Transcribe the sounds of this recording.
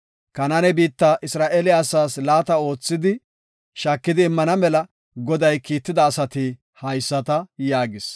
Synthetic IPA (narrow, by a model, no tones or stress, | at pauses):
kɐnɐnɛbiːt̪ːɐʔɪsɾaːʔelɪɐsaːslaːt̪ɐo̞ːt͡sːɪd̪ɪ | ʃaːkːɪd̪ɪːmːɐnɐmɛlɐ | ɡɔd̪ɐjkiːt̪ːɪd̪ɐːsɐt̪ɪ | hɐjsːɐt̪ɐjaːɡɪs